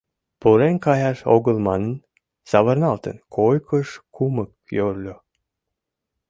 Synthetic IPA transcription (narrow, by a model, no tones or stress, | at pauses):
puɾenkɑjɑʃo̰ɣəlˠmɑnən | sɑβə̆rnɑlt̪ə̰nkʰojkʰəʃkumək̚ | jøɾlʲo